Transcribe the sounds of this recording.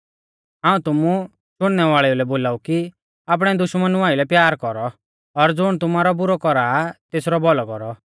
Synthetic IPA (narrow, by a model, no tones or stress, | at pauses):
ɦãːũt̪ʊmu | ʃʊɽ̃nɛʋaːɭɛulɛboːlaːuki | aːp̬ɽ̃ɛd̪ʊʃmənuaːilɛpjaːɾkɔɾɔː | ɾd͡zʊɽ̃t̪ʊmaːɾɔbʊɾɔkɔɾaːt̪eːsɾɔbɔlɔkɔɾɔ